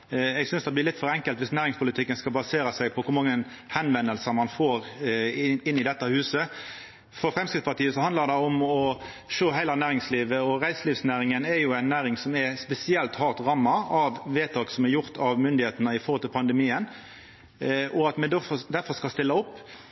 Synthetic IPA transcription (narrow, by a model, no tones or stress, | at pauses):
ɛɡsʏnsd̪ɛblɪɾlɪt̪ːfɔɾɛŋkəlt̪ʋɪsnæːɾɪŋspʊlɪt̪ʰɪkːənskɑlbɑseːɾəsæɪɡpʰɔkʰʊɾmɑŋːən | hɛnʋɛnːəlsəmɑnfoːɾ | ɪnːɪd̪ɛt̪ːəhʉːsə | fɔɾfɾɛmskɾɪt̪spɑʁt̪iːəsɔhɑnləɾd̪ɛɔmɔ | ʂøːɦæɪlɑnæːɾɪŋsliːʋəɔɾæɪsliːʋsnæːɾɪŋənɛjʊæɪnːæːɾɪŋsɔmɛspɛsɪɛlt̪hɑːʁt̪ʁɑmːɑɑʋʋeːt̪ʰɑːksɔmɛæɾjʊʁt̪ʰɑʋmʏnd̪ɪheːt̪ənəɪfɔʁhlt̪ɪlpʰɑnd̪əmiːən | ʔɔɑt̪mɛd̪d̪æɾfɔɾskɑlst̪ɪlːɑʊpː